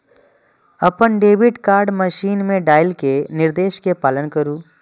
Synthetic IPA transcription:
ɐpənɖeːbɪʈkaːɾɖməʃiːnmẽɖaːɪlkenɪɾd̪eːʃkepaːlənkəɾũː

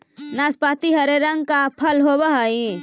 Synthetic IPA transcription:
naspat̪iɦəɾeɾəŋɡ̚kapʰəlɦobəɦəi

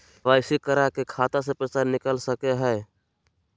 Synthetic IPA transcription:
ʋaːɪsikəɾakekʰaːt̪as̬epɾət͡ʃaːɾnɪkəlsəkeɦɛː

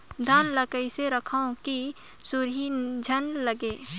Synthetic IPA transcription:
d̪ʱaːnləkəiseɾəkʰaõki | sʊɾɦid͡ʒʱənləɡeː

